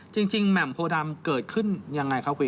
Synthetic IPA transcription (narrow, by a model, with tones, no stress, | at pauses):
t͡ɕi˧ŋt͡ɕi˧ŋmɛ˨˩˦mpʰoː˧da˧mkɤː˨˩t̪̚kʰɯ˥˩nja˧ŋːa˧jkʰa˥˩wkʰuː˧